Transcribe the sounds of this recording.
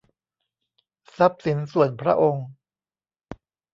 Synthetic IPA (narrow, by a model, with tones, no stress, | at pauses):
sa˦˥p̚si˩˦nsu˨˩ənpʰɾa̰˦˥ʔo˧ŋ